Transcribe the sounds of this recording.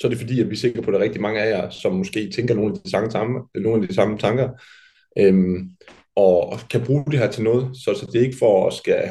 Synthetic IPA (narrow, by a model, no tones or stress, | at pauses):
sɒ̽æɐdɾe̝fɒ̽d̥ḭːjæb̥lise̝ɡɡ̥ɐpʰɒ̽ɾɑ̈ʁɛɡ̥d̥imɑ̈ŋəæjɑ̈sɒ̽mːɔ̽sɡ̥e̝̰ːt͡sʰeŋɡ̥ɐno̝ːn̩æd̥isɑŋʰno̝ːnæd̥isɑ̈mət͡sʰɑ̈ŋɡ̥ɐ | ʔøm | ɒ̽kʰæb̥ʁuːd̥e̝ɦæɐ̰t͡sʰe̝lnɔ̽ːð̞̩ˠsɒ̽sɒ̽d̥e̝e̝ɡ̥əfɒɒsɡ̥æ